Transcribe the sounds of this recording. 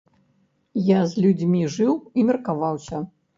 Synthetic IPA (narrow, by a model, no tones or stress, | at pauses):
jazʲlʲud͡zʲmʲiʐɨwimʲɐrkavawsʲɐ